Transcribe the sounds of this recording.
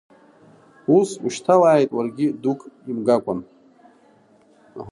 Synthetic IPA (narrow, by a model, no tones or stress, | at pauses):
usuʃtʰalaːjtʼwarɡʲidukʼimɡakʷʼʊn